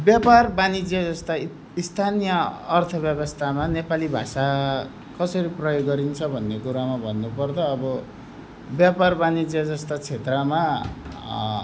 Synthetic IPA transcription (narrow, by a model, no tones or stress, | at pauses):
bjaparbanid͡zjʌd͡zʌst̪a | ist̪ʰanijʌʌrt̪ʰʌbjʌbʌst̪ʰamanepalibʱa̰sa | kʌsʌɾiprʌjoɡːʌɾint͡sʰʌbʱʌnːekuɾamabʱʌnːupʌrd̪ʌːbʌ | bjaparbanid͡zjʌd͡zʌst̪at͡sʰet̪rʌma